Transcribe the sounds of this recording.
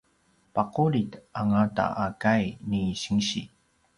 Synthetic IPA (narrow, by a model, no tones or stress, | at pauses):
paquɾitaŋata̰ʔakajniɕəŋɕḭ